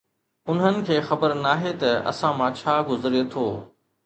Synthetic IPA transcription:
ʊnɦənɪ̆kʰeːxɐbəɾnaːɦet̪ɐɐ̰sãmãt͡ɕʰaːɡʊzɾiet̪ʰoː

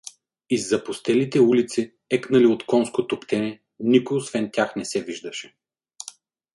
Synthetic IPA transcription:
izːɐpʊst̪ɛlit̪ɛulit̪si | ɛknɐliot̪kɔnskot̪opt̪ɛnɛ | nikʊjosvɛnt̪ʲaxnɛsɛviʒd̪ɐʃɛ̥

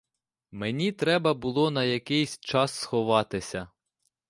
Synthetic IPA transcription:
menʲit̪ɾɛbɐbʊlˠɔnɐjɐkɪjsʲt͡ʃɑsːxɔʋɑt̪ɪsʲɐ

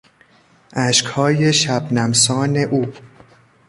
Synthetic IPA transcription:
ʔæʃkhɒːjeʃæbnæmsɒːne̞ʔuː

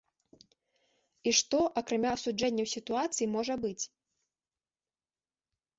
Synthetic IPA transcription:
iʂt̪ɔʔɐkɾamʲaɐsud͡ʐɛnʲːɐwsʲit̪uat̪sɨjimɔʐɐbɨt͡sʲ

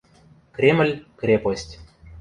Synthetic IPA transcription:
krʲeməlʲkrʲeposʲtʲ

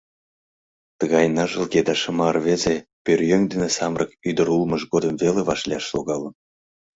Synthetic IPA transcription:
t̪əɣɑjnɑʒɤ̆lˠɡʲed̪ɑʃɤ̆mɑrvezepʲørʲjøŋd̪enesɑmrʔɤkyd̪ə̆ɾulˠmɤ̆ʃɡod̪ə̆mvelʲeβɑʃlʲiɑʃlo̰ɣɑlˠɤ̆n

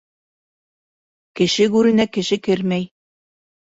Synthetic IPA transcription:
kɘ̆ʃɘɡʉɾɘ̆nækɘ̆ʃɘkɘɾmæj

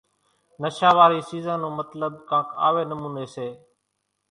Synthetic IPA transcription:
nəʃaːʋaːɾiːsiːzãːnũːmət̪ləb̚kãːka̰ːʋeːnəmũːneːseː

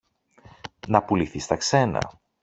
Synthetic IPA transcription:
nɐpuliθist̪ɐkse̞nɐ̰

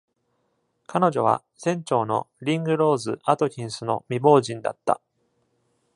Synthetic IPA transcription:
kano̞ʑo̞β̞a̰ | sẽ̞ɲt͡ɕo̞ːno̞̰ɾʲĩŋɡɯ̟ɾo̞ːzɨat̪o̞kʲĩɰ̃sɨno̞̰mʲibo̞ːʑĩnd̪a̰t̪ːa̰

